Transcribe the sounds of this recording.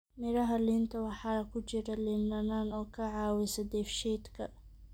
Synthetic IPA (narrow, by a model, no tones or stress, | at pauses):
mɪɾɐɦɐlint̪ʰɐwɑħɑːɐkʰʊt͡ʃɪɾɐlɪnːɐnaːnɔːkʰɐʕɑːwɪsɐd̪ɛfʃiːd̪kʰɐ